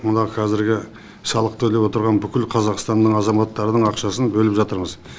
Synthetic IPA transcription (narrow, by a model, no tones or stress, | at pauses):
mənɑqʰɑzɪɾɡʲɪ | sɑlˠəqt̪ʰɵle̞pwo̞t̪əɾʁɑnbʏkʲɪlqʰɑzɑqst̪ɑnd̪əɴɑzɑmɑt̪ːɑɾd̪əɴɑqʃɑsənbɵlɪpʒɑt̪əɾməz